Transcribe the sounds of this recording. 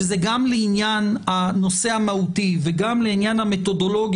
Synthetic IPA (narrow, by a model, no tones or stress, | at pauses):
zeɡamleinjanhano̞se̞amahutiveɡamleinjanhamet̪o̞do̞lo̞ɡ